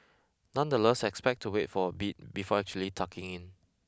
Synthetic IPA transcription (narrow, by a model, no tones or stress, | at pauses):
nãndəlɛsɛkspɛk̚tʰːuwetfɔbit̚bifɔɛk̚t͡ʃuəlitʰakɪ̃ŋĩn